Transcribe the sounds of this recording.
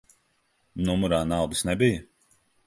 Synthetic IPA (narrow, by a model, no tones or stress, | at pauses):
numuɾaːnawd̪isnɛbijɐ